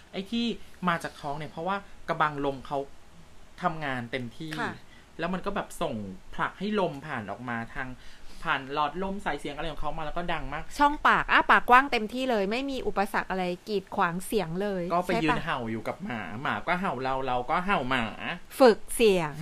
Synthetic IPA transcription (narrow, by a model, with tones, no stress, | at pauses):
ʔa˥˩jt̪ʰiː˥˩maː˧t͡ɕaː˨˩k̪ʰːɔː˦˥ŋni˥˩ɐpʰɾɔ˦˥waː˥˩ka˧ba˧ŋlo˧mkʰa˦˥wt̪ʰa˧mŋaː˧nt̪e˧mt̪ʰiː˥˩˧ | lɛː˦˥wma˧nkɔː˥˩bɛː˨˩p̚so˨˩ŋpʰla˨˩k̚ha˥˩jlo˧mpʰaː˨˩nʔɔ̰ː˨˩k̚maː˧t̪ʰaː˧ŋpʰaː˨˩nlɔː˦˥t̪̚lo˥˩msa˨˧˦jsi˩˦ŋa˧jkʰɔ˨˩kʰa˦˥wma˧lɛː˦˥kɔː˥˩da˧ŋmaː˥˩k̚t͡ɕʰɔ˥˩ŋpaː˨˩k̚ʔaː˧˩paː˨˩kːwaː˥˩ŋt̪e˧mt̪ʰiː˥˩lɤː˧jma˥˩jmiː˧ʔu˨˩pa˧sa˨˩k̚ʔa˧ɾa˧jkiː˨˩t̪̚kʰwaː˨˩˦ŋsi˩˦əŋlɤː˧jkɔː˥˩pa˧˥jɯː˧nɦa˨˩wjuː˨˩ka˨˩p̚maː˩˦maː˩˦kɔː˥˩ɦa˨˩wɾa˧wɾa˧wkɔː˥˩ɦa˨˩wmaː˩˦fɯ˨˩k̚si˨˩˦əŋ